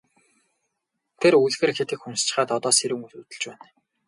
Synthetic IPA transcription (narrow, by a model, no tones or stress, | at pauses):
t̪ʰeruɮxĕrxet̪ɘ̆kxunst͡ɕɪ̆χaːt̪ɔt̪ɔːseɾɘ̆ŋutut̪ɘ̆ɮt͡ɕpæːn